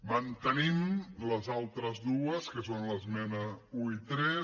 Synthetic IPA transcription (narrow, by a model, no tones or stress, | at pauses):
mənt̪ənimləzalˠt̪ɾəzðuəskəsonləzmɛnəuit̪ɾɛ